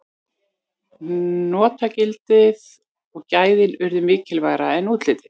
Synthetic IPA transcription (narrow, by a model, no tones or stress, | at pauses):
nɔːt̪acɪlt̪ɪð | ɔɣcaːjðɪnʏɾðʏmɪːcɪlvaːɣɾaɛnuːt̪lɪːt̪ɪ̥